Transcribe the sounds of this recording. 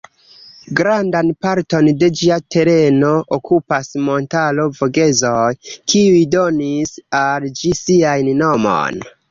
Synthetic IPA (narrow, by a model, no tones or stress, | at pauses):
ɡɾandanpaɾto̞nde̞d͡ʒiatʰe̞ɾe̞no̞ʔokʰupasmo̞ntalo̞vo̞ɡe̞zo̞jkʰiujdo̞nisald͡ʒisiajnno̞mo̞̰n